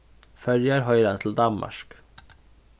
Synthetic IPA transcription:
fœljəɾɦœʏɾənt̪ʰl̩d̪ɑmmɑ̰ʃk

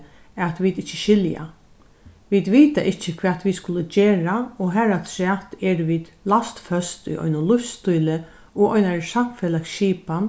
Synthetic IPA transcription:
at̪ʋid̪ɪht͡ʃːəʃɪlja̰ | ʋid̪ʋiːt̪aʔɪt͡ʃːəkʰvɛːt̪ʋid̪skʊləd͡ʒeːɾaɔɦɛɾat̪ʰɾɛːt̪ɛɾʋiːd̪last̪fœst̪ʊ̰jʔɔ̰ʏnʊnlʊfst̪ujlɪ | ɔʔɔʏjnaɹsamfɛːlakʃiːpan

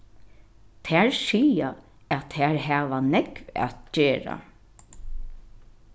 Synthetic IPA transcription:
t̪ʰæɹsiːja | æt̪ʰhæɹɦæːʋanɛkva̰t̪d͡ʒeːɹa̰

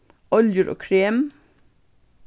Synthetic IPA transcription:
ɔljəɾʔo̰ːkʰɹeːm

